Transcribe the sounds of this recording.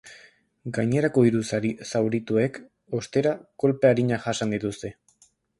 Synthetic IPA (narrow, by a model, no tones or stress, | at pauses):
ɡajɲe̞ɾako̞iɾusaɾisawɾit̪ue̞k | o̞st̪e̞ɾako̞lpeaɾiɲaʝasand̪it̪ust̪e̞